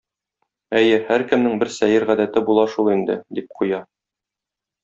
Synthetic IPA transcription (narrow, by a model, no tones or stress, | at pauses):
æjɘhæɾkɘ̆mnɘŋbɘɾsæjɘɾʁæd̪æt̪ɘbulˠɑʃulˠind̪ɘ̰d̪ip̚qʰujɑ